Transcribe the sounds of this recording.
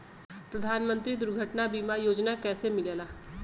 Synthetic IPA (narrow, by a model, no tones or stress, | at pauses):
pɾəd̪ʱaːnmə̃nt̪ɾid̪ʊɾɡʱəʈnabiːmajoːd͡ʒnakɛːsemɪlalaː